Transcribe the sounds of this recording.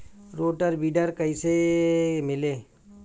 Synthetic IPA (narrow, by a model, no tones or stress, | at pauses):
ɾoːʈəɾbiːɖəɾkəiːsemɪleː